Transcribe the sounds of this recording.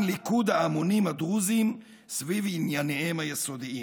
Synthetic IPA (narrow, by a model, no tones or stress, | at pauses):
nlikud̪haamonimhad̪ʁuzim | svivinjaneemhajesod̪ii